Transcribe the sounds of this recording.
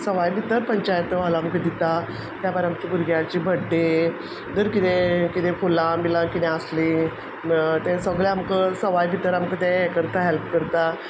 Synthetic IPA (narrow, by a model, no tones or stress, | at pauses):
səʋajbʱit̪əɾpəɲt͡ɕajət̪əʋalaːmkəd̪it̪a | t̪jabəɾamt͡ɕibuɾɡjat͡ɕibʱəɖːe | d̪əɾkit̪ẽkit̪ẽkʰolãmilãkit̪ɛ̃əslĩ | t̪ɛ̃səɡɭeamkəsəʋajbʱit̪əɾamkət̪ɛ̃kəɾt̪aɦɛlpkəɾt̪a